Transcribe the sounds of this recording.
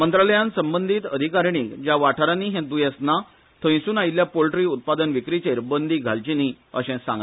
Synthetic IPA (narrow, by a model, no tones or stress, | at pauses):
mənt̪ɾaləjãnsəmbənd̪ʱiːt̪əd̪ʱikaɾɳiːkd͡ʑjaʋaʈʰaɾaniːɦɛ̃d̪ujɛsna | t̪ʰə̃ĩsuːnait̪ljapolʈɾiːut̪̚pad̪ənʋikɾit͡ɕeɾbənd̪ʱiːɡʱalt͡ɕini | ə̰ɕɛ̃sã̰ŋɡ